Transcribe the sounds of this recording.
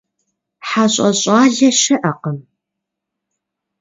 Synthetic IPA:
ħaɕʼɐɕʼaːɮɐʃɐʔɐqəm

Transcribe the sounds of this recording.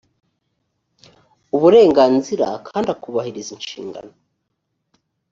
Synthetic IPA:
uβuɾe̞ːŋɡaːnziɾa̰kʰaːndakuβahiɾizinʃḭːŋɡa̰no

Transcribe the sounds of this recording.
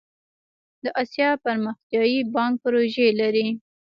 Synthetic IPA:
d̪əʔɑsjɑpaɾməxt̪jɑjibɑŋk̚pəɾoʒelaɾi

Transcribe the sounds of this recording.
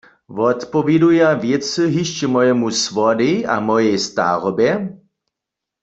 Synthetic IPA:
vɔt̪pɔvjɛdujavjɛt͡sɨɦiʃt͡ɕɛmɔjɛmusʋɔdia̰mɔjɛjst̪a̰ʁɔbjɛ

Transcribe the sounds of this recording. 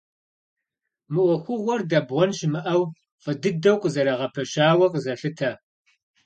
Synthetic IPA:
mɨʔʷɔxʷʊʁʷɔrdɐbʁʷɔnʃɪmɨʔɐw | qədɨdɐwqʷʼzɐɾɐʁɐpʰɐʃaːwɐqʼəzɐɬɨtʰɐ

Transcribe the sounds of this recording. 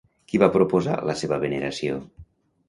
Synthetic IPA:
kiβapɾopoza̰ləseβəβeneɾasio

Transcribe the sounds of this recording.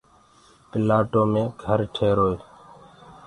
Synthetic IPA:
pɪlaːʈoːmẽːɡʱəɾʈʰeːɾoːe

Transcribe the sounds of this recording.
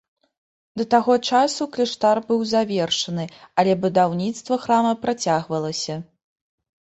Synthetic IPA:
d̪ɐt̪aɣɔt͡ʂasuklʲiʂt̪arbɨwzavʲɛrʂɐnɨɐlʲɛbud̪awnʲit̪st̪vɐxɾamɐpɾat͡sʲaɣvɐlˠɐsʲɐ

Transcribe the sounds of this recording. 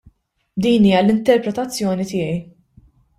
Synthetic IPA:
d̪iːniːjɐlɪnt̪ɛɾpɾɛt̪ɐt͡sːjɔːnit̪ɪːjɛj

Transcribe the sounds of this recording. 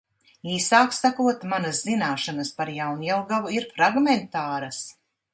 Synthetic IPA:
iːsaːksakuɔt̪manɐzzinaːʃanɐspaɾjawnɛlˠɡavuiɾfɾaɡmɛnt̪aːɾɐs

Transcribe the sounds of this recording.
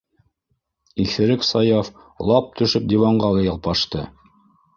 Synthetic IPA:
iθɘ̆ɾɘksɑjɑf | lˠɑp̚t̪ʰɵ̆ʃɵp̚d̪ʲivɑɴɢɑlˠɑjɑlˠpɑʃt̪ɤ

